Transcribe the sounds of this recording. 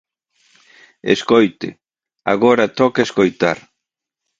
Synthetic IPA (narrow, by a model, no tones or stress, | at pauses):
ḛskojt̪ɪ̰ | a̰ɣoɾat̪ɔkeskojt̪aɾ